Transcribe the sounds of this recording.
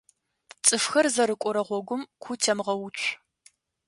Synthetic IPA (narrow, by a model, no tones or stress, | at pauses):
t͡sʼɨfxɐrzɐɾɨkʷʼʊɾɐʁʷɔɡʷʊmkʷʰʊtʰɐmʁɐwʊt͡ʃʷʼʰ